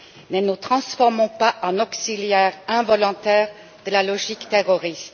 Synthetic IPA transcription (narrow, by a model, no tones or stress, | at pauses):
nənut̪χɑ̃sfɔʁmɔ̃paʔɑ̃nɔksiljɛːʁɛ̃vɔlɔ̃t̪ɛːʁ | d̪əlalɔʒikt̪eʁɔʁist̪